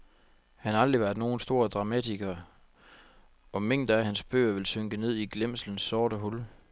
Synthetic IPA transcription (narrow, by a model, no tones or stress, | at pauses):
hænhɑ̈ɑ̈ld̥ʁiʋæɐd̥no̝ːn̩sd̥o̝ːɐd̥ʁɑ̈mædʰiɡ̥ɐ | ɒ̽me̝ŋ̰d̥æhænsb̥ø̰ːɐʋe̝lsøŋɡ̥əne̝ð̰ˠiɡ̥lem̰sln̩sːɒːɾəɦul